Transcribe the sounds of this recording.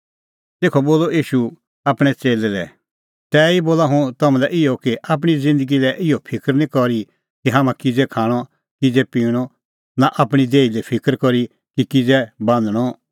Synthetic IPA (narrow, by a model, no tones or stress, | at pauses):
t̪eːkʰoboːloiːʃu | apɽ̃ɛt͡seːlɛlɛ̰ | t̪ɛːiboːlaɦũt̪ɐmãlɛʔɪɔkiʔap̬ɽ̃izɪ̃nd̪əɡilɛʔɪopʰɪkəɾnĩkɔɾi | kiɦaːmãkɪd͡zɛkʰaːɽ̃ɔ | kɪd͡zɛpiːɽ̃ɔ | naʔɐpɽ̃id̪eːilɛpʰɪkəɾkɔɾi | kikɪd͡zɛbãːnd̪ɽ̃ɔ